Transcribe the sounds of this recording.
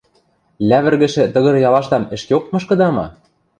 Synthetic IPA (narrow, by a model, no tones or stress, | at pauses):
lʲæβɘ̆rɣɘ̆ʃɘ̆t̪ɤ̆ɣɤ̆ɾjɑlɑʃt̪ɑmɘ̆ʃkeok̪̚mɤ̆ʃkɤ̆d̪ɑmɑ̰